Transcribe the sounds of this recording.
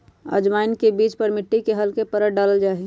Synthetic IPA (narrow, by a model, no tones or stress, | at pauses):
ə̰d͡ʒmaːɪnkebiːt͡ʃpəɾmɪʈːikeɦɐlkepəɾəʈ̚ɖaːləld͡ʒaːeɡ